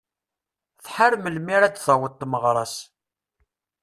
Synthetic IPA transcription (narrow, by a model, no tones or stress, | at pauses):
θħaɾməlmiɾæd̪θəwət̪ˤːməʁɾˤɑs